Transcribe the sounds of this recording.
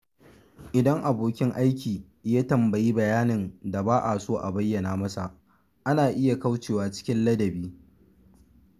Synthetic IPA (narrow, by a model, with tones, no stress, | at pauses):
ʔɪ˨dɐ˦ŋʔa˨boː˨kʲɪ˦ŋʔa˦jkʲiː˨ | jaː˦tɐ˨mbɐ˨ji˦bɐ˨jaː˦nɪ˨nda˨baː˦ʔa˨soː˦ʔa˨bɐ˦jːɐ˨naː˨mɐ˦sa˨ʔ | ʔa˦naː˨ʔɪ˦ja˨ka˦wt͡ʃeː˨waː˨t͡ʃɪ̥˦kʲɪ˦nlɐ˦dɐ˨biː˦